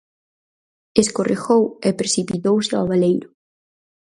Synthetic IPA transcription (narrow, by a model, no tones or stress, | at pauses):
eskorʔexowepɾesipit̪owsɪaβalejɾʊ